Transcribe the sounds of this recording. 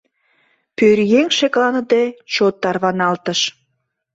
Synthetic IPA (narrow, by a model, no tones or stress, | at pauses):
pøɾjeŋʃeklɑnəd̪et͡ɕot̪ːɑrβɑnɑlt̪əʃ